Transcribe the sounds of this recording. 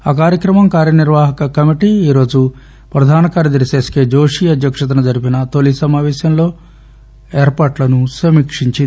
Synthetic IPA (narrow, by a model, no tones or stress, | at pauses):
aːkaːɾjɐkɾɐmɐmkaːɾjɐniɾʋaːɦɐkɐkɐmiʈiiːɾo̞ːd͡ʒu | pɾɐd̪ʱaːnɐkaːɾjɐd̪ɐɾiseːskeːd͡ʒo̞ːʂiːɐd̪ʱjɐkʂɐt̪̬ɐnɐd͡ʒɐɾipinɐt̪olisɐmaːʋɛːʃjɐmlo̞ː | eːɾpaːʈlɐnusɐmikʂiɲt͡ʃi